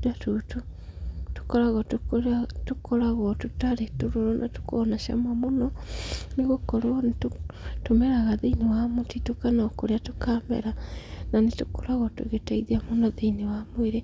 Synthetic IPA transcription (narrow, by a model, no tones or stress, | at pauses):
datutu | tu̥kɔɾaɣɔtukotukɔɾaɣɔtutaɾetoɾoɾonʔa̰tu̥koːnaʃa̰mamonɔneɣokɔɾɔnttomɛɾaɣaðinewamotitokanaokoɾeatukamɛ̰ɾananetukoɾaɣɔtṵɣetaiðiamonɔðinewamoeɾe